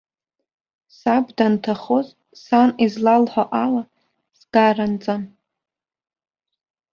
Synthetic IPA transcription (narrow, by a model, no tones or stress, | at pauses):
sabdantʰaχoz | sanizlalħʷaʔala | sɡ̥arant͡sʼan